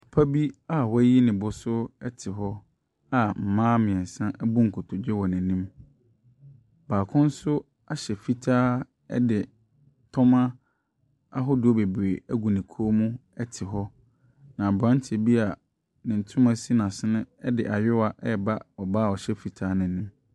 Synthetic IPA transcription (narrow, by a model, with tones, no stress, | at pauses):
ɔ˨pʰa˦bi˦a˦wa˦ji˦nɪ̃˨bʊ˨sʊ˦ɛ˦tʰɪ˨ɦɔ˦ | a˨m̩˨mãː˦mɪ̃˨ɛ̃˨n˨sã˦ʔɛ˦bũ˦ŋ̩˨kʰʊ˨tʰʊ˨d͡ʑᶣɛ˦wɔ˨nɪ̃˨nĩ˦m | baː˨kʰʊ̃˦n̩˦sʊ˦ | a˦ɕɛ˨fi˦tʰaː˦ | ɛ̰˦dɪ˨ | tʰɔ˦mã˦ | a˦ɦɔ˦dɪ˨ɔ˦be˨bɾe˨æ˦ɡu˨nĩ˨kʰo˦mũ˦ɛ˦tʰɪ˨ɦɔ˦ | nã˨bã˦n˦t͡ɕʰbi˦a˨ | nɪ̃˨n̩˨tʰʊ̃˦mã˦si˦nã˨sɪ˦nʊ̃˦ɛ˦dɪ˨ʔa˨ɥɪ˦wa˨ʔɛ˦ba˦ɔ˨baː˦˨ɔ˨ɕɛ˦fi˨tʰaː˦nɪ̃˨nĩ˦m